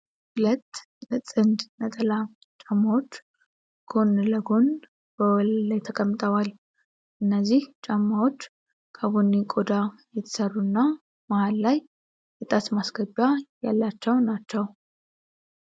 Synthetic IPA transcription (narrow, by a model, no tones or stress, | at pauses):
ʔʊlət̪ | nɨt͡sʼɨnd̪nət̪ʼəla | t͡ʃʼamːawo̞t͡ʃː | ɡ̥o̞nləɡo̞n | b̥əwɔllajt̪ʰəkʼəmːɨt̪ʼəwal | ʔɨnːəzːiht͡ʃʼamːawo̞t͡ʃː | kʰʼaβonːikʼo̞d̪ajɛt̪ʰə̥sərːuɨnːa | mahalːajː | ɛt̪ʼat̪masɡəbajalːat͡ʃːɛwnat͡ʃːɛw